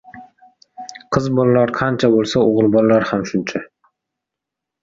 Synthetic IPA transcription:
qʰɨzbɒlalaɾqʰɑnt͡ʃʰabolˠsaoʁlˠbɒlˠalaɾhamʃʊnt͡ʃʰa

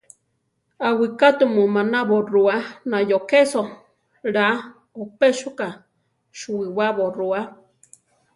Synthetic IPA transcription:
awikat̪umumanaβoruanajokeso | ɾa | opeʃuka | ʃuiwaβorua

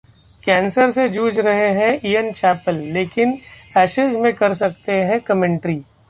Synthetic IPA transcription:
kɛːnsəɾsed͡ʒuːd͡ʒɾɐɦeɦɛ̃iːənt͡ʃɛːpəlːeːkɪnɛːʃɪzmẽkɐɾs̬ɐk̚t̪eɦɛ̃kɐmɛ̃ɳʈɾiː

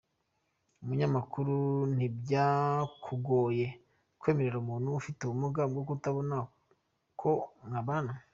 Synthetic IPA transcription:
umuɲamakuɾun̥ibɟaːkʰuɡo̞ːje̞ | kwe̞ːme̞ɾe̞ɾumuːnhuːfiteumuɡamɡokutaβo̞na | kʰo̞ŋaβanu

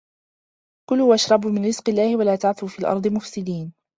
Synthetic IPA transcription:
kʊlʊwʔaʃɾˤɑbmɪnɾɪz̥qɪlːaːhɪwalaːt̪aʕθuːfiːlʔɑ̰ɾˤd̪ˤɨmʊfsɪd̪iːn

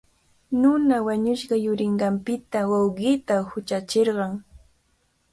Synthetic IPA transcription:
nʊnawaɲʊʃɢɑjʊɾɪɴɢɑmpɪt̪awɑwɢɪt̪ahʊt͡ʃat͡ʃeɾɢɑŋ

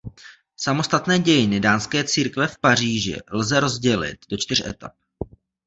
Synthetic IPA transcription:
samo̞st̪at̪nɛːɟɛjɪnɪdaːnskɛːt͡siːɾkvɛfpar̝iːʒɪ̰lzɛɾo̞zɟɛlɪ̰t̪̚do̞t͡ʃt̪ɪr̝ʔɛ̰t̪a̰p̚

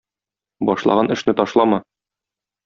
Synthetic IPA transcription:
bɒʃlˠɑ̰ʁɑnʔɘ̆ʃnɘt̪ɒʃlˠɑmɑ

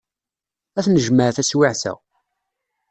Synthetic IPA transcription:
æθnəʒməɾθæswɪʕθæ̰

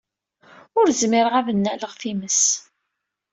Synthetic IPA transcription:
ʊɾzmɪɾʁavənːæləʁθiməs

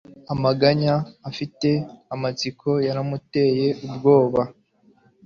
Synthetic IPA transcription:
amaɡaɲaːfite̞amat͡sikʰo̞jaɾamute̞je̞ʔubɡo̞ːβa

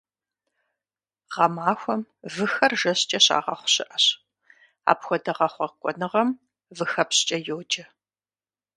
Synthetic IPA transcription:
ʁɐmaːxʷɔmvɨxɐrʒɐɕt͡ʃʼɐɕa̰ːʁɐχʷʊ̥ɕɪʔɐɕ | a̰ːpxʷɔdɐʁɐχʷɔkʷʼɔ̰nɨʁɐm | vɨxɐpst͡ʃʼɐjowd͡ʒɐ

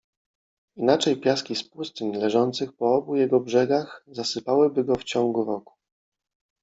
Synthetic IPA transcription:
inat͡ʂɛjpʲjaskʲispust̪ɘnlɛʐɔnt̪sɘxpɔɔbujɛɡɔbʐɛɡaxzasɘpawɘbɘɡɔft͡ɕɔŋɡuɾɔku̥

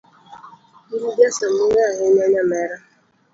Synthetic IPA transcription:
iɾibjasamʊŋaaɦɪɲaɲamɛɾa

